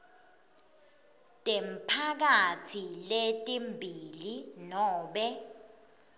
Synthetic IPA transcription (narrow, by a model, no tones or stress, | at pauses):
tʼɛmpʰak̬atʰiletʼimbʱilinɔːɓɛ